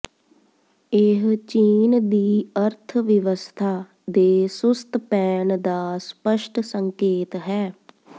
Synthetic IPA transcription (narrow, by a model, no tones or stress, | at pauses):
ɪɦt͡ʃiːnd̪iːəɾt̪ʰʋɪʋəst̪ʰaː | d̪eːsʊst̪pɛːnd̪aːspəʃʈʰsəŋkeːt̪ɦɛː